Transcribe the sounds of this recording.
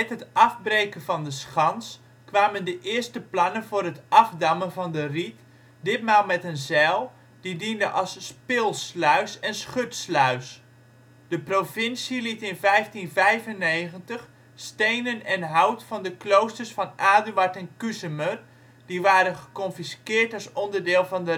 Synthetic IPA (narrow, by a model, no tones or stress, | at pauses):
ɛtɦətʔɑfbrejkənvɑndəsχɑns | kʋaːməndəʔɪːərstəplɑnənvʊːrɦətʔɑfdɑmənvɑndərit | dɪt̚maːlˠmɛtənzɛlˠ | d̥idindəʔɑlˠsːpɪːlˠslœɥsɛnsχøtslœɥs | d̥əprovɪnsilitɪnvɛjftinvɛjvənːejɣəntəx | stejnənɛnɦawtfɑndəklowstərsfɑnʔaːdyaɹtɛnkysəmər | d̥iʋaːɾənχəkɔnfiskɪːɹtɑsɔndərdɪːlˠvɑndə